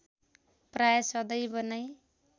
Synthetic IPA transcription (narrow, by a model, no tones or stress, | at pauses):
prajsʌd̪ʌjbʌnʌj